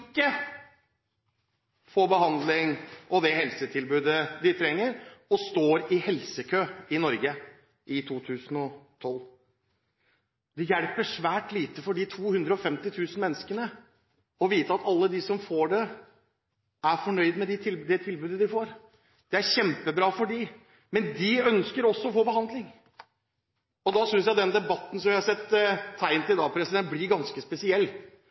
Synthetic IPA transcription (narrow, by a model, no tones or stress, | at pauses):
kːə | fɔːbəɦɑnd̪lɪŋʔɔd̪ɛhɛlsət̪ʰɪlbʉːd̪əd̪ɪt̪ʰɾɛŋːəɾɔst̪oːɾɪhɛlsəkʰøːɪnɔɾɡə | ʔɪt̪ʰuːt̪ʰʉːsənɔt̪ʰɔlː | d̪ɛjæɽpəʂʋæːʈliːt̪əfɔɖɪt̪ʰuːhʉnd̪ɾəɔfɛmt̪ɪt̪ʰʉːsn̩mɛnːəskənə | ɔʋiːt̪əɑt̪ɑlːəd̪ɪsɔmfoːɖɛ | ʔæɾfɔɳœʏd̪mɛd̪ɪt̪ʰɪld̪ɛt̪ʰɪlbʉːd̪əd̪ɪfoːɾ | d̪̥ɛæɾçɛmpəbɾɑːfɔɖɪ | mɛnd̪ɪœnskəɾɔsːɔɔfoːbəhɑnd̪lɪŋ | ɔd̪ɑsʏnsjæɪd̪ɛnd̪ɛbɑt̪ːn̩sɔmʋɪhɑɾsɛt̪ʰːæɪnt̪ɪɪd̪ɑːpʰɾɛsɪd̪ɛnt̪̚blɪɾɡɑnskəspɛsɪɛlː